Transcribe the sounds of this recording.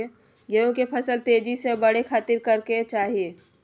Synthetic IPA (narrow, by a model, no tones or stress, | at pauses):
e | ɡeõkepʰɐsəlt̪eːd͡ʒisebɐɽekʰaːt̪ɪɾkɐɾket͡ʃaːɦieː